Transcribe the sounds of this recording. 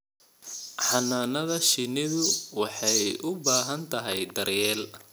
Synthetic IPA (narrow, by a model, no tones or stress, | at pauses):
ħɑnaːnɐðɐʃinɪðʊwɑħɑjʊbaːɦɐnt̪ʰɐɦɛjd̪ɐrjɛːl